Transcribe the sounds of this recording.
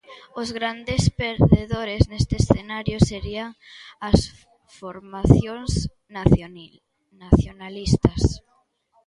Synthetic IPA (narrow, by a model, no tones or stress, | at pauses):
ozɣɾand̪espeɾðeðoɾeznest̪eːsθenaɾjoseɾiaŋas | foɾmaθjoŋs | naθjonalist̪as